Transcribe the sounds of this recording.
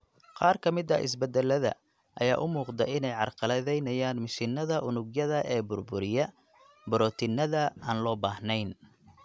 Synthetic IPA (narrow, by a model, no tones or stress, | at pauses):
qɑːrkʰɐmɪd̪ɐʔɪ̰sbɛd̪ɛlːɐðɐ̰ | ʔɐjaːʔʊmuːqd̪ɛʔɪnɛjʕɑrqɑlɐðɛjnɐjaːnmɪʃɪnːɐðɐʔʊnʊɡjɐðɐʔɛːbʊrbʊɾɪjɐ | bʊɾɔːt̪ʰɪnːɐðɐaːnlɔːbaːhnɛjn